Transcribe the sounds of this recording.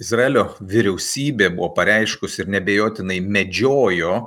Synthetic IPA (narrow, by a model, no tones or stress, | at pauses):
ɪzɾɐɛlʲoː | ʋʲɪɾʲɛʊsʲiːbʲeːbʊʋopɐɾʲɛɪʃkʊsɪɾnʲɛbʲeːjoːt̪ʲɪnɐɪmʲɛd͡ʒʲoːjoː